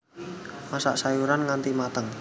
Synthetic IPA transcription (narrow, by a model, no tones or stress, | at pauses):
masa̰ʔsajuɾanŋant̪imat̪əŋ